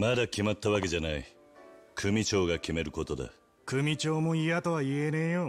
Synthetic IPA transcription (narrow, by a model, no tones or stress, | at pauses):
mad̪akʲimat̪ːaβake̞d͡ʑanai | kʰɯ̟mʲit͡ɕo̞ːɡakʲime̞ɾɯ̟ko̞t̪od̪a̰ | kɯ̟mʲit͡ɕo̞ːmo̞ijat̪o̞βaienejo